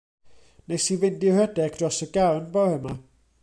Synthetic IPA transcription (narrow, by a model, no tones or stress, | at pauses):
nejsivɪndɪwhɛdɛɡd̥rɔsəɡawnbɔhəma